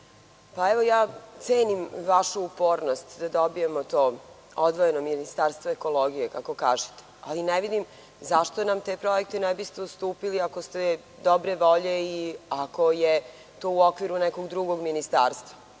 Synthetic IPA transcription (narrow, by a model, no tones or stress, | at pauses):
paeʋo̞jaːt̪seːnimʋaʃuupo̞ːɾnost̪d̪ad̪obije̞mot̪oː | od̪ʋoje̞nominist̪aːɾst̪ʋoeko̞loɡijekako̞kaːʒi̥t̪e̥a̰lineʋid̪im | zaʃt̪onamt̪epɾo̞ek̚t̪enɛbist̪eust̪uːpiliako̞st̪e | d̪obɾe̞ʋo̞ʎe̞iako̞je | t̪oːuokʋiɾunɛko̞ɡd̪ɾuɡo̞ɡminist̪aːɾst̪ʋa